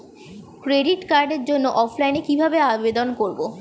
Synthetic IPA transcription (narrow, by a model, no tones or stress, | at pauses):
kɾeɖiʈkaɾɖeɾd͡ʑonːoʔɔfʰlajnekibʱabeabed̪onkoɾbo